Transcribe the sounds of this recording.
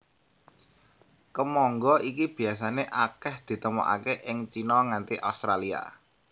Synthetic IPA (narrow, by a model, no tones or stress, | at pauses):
kəmɔŋɡɔʔikib̥i̤as̬aneʔakɛhd̪̥i̤t̪əmɔ̰ʔa̰keʔɪŋt͡ʃinɔŋant̪iʔa̰st̪ɾalia̰